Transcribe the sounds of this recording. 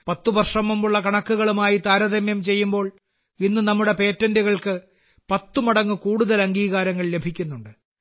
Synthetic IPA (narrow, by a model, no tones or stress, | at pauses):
pɐt̪ːuʋɐrʂɐmumuɭːɐkɐɳɐkːuɣɐɭumaːjit̪aːɾɐðɐmjɐmt͡ɕe̞jːumbo̞ːɭ | inːɨnɐmːuɽe̞pe̞ːtːɐnduɣɐɭkɨ | pɐt̪ːumɐɽɐŋːɨkuːɽuðɐlɐŋɡiːɣaːɾɐŋːɐɭle̞bʱikʲːunːuɳɖɨ